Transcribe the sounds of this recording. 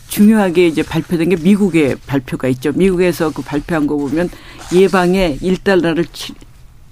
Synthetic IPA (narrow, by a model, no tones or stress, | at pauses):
t͡ɕuŋjoɦaɡe̞id͡ʑe̞paɭpʰjodenɡe̞miɡuɡe̞paɭpʰjoɡait̚t͡ɕ͈omiɡuɡe̞sʰʌkɯpaɭpʰjoɦanɡʌbomjʌn | jebaŋe̞iɭt͈aɭnaɾɯɭt͡ɕʰi